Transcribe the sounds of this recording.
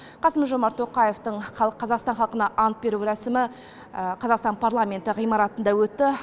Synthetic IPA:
qʰɑsəmʒo̞mɑɾt̪ʰo̞qɑjeft̪əɴqʰɑlˠqʰɑzɑqst̪ɑnχɑlˠqənɑʔɑnt̪̚be̞ɾuɾæsɪmɪ | qʰɑzɑqst̪ɑnpʰaɾlˠamʲe̞nt̪ɪʁijmɑɾɑt̪ənd̪ɑwɵt̪ːɪ

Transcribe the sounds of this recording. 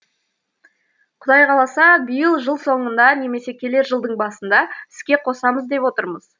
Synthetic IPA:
qʰʊd̪ɑjqʰɑlˠɑsɑbijəlˠʒəlˠso̞ɴənd̪ɑne̞me̞se̞kʲʰe̞le̞ɾʒəlˠd̪əɴbɑsənd̪ɑɪ̥skʲe̞qʰo̞sɑməzd̪e̞pwo̞t̪əɾməz̥

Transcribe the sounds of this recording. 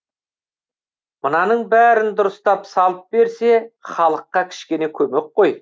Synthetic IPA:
mənɑnəɴbæɾɪnd̪ʊɾəst̪ɑpsɑlˠəp̚be̞ɾse̞χɑlˠəqːɑkʲʰɪ̥ʃkʲe̞ne̞kʲʰɵme̞k̚qːo̞j

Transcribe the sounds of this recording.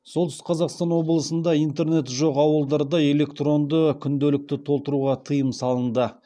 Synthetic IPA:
so̞lˠt̪ʏsqʰɑzɑqst̪ɑnwo̞bəlˠəsənd̪ɑijnt̪e̞ɾne̞t̪ʒoqɑwəlˠd̪ɑɾd̪ɑe̞le̞kt̪ro̞nd̪əkʲʰʏnd̪elɪk̚t̪ɪt̪ʰo̞lˠt̪əɾuʁɑt̪ʰəjəmsɑlˠənd̪ə

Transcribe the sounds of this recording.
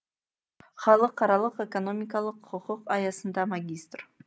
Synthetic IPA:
χɑlˠəqʰːɑɾɑlˠəqekono̞mʲɪkɑlˠəqʰʊquqɑjɑsənd̪ɑmaɡʲist̪r̥

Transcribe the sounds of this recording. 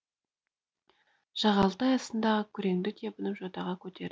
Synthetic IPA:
ʒ̥ɑʁɑlˠt̪ɑjɑsənd̪ɑʁəkʲʰʏɾe̞ŋd̪ɪt̪ʰe̞pənəpʒot̪ɑʁɑkʲʰɵt̪e̞ɾ

